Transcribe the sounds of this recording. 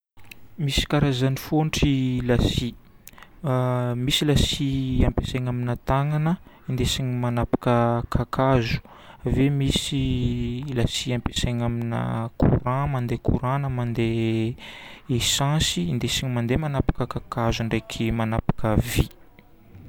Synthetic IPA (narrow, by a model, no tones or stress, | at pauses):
misi̥kaɾazanifoɳʈ͡ʂilasi | misilasiampesaɲaminət̪aŋanə | ind̪esiɲimanapḁkəkʰakʰazu̥ | vemisi | lasiampesaɲaminə̰kṵɾãmand̪ekʰuɾãnəmand̪e | esãsiːnd̪esiɲimand̪emanapḁkəkakazuɳɖ͡ʐejkʰimanapḁkəvi